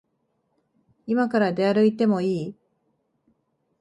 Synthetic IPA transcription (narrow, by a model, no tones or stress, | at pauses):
imakaɾad̪e̞aɾɯit̪e̞mo̞iː